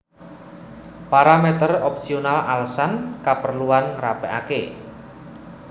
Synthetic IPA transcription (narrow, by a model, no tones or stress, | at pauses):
paɾamet̪ərɔp̚sionalalsankapərluanŋrapɛʔa̰ke